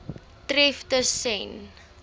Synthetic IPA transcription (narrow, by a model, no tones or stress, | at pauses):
trɛftəsɛn